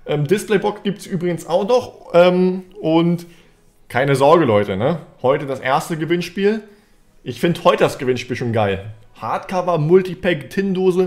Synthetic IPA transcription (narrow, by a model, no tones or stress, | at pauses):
ʔɛːmdɪsplɛɪbɔksɡ̥iːp̚tsʔyːbʁɪɡən̩saʊxnɔχʔɛːmʔʊnt | kʰaɪnəzɔɐɡəlɔʏtənəhɔʏtədasʔeːɐstəɡəvɪnʃpiːl | ʔɪçfɪndhɔʏtədasɡ̥əvɪnʃpiːlʃoːnɡaɪl | haɐtkʰavɐmʊltipɛktʰɪndoːzə